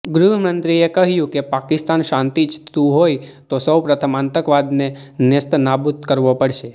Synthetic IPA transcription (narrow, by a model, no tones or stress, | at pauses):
ɡɾuɦəmə̃nt̪ɾiekəɦjũkepakɪst̪anʃãnt̪it͡ʃt̪ũɦoit̪osəwpɾət̪ʰəmãnt̪əkʋad̪nenɪst̪nabut̪kəɾʋopəɽʃe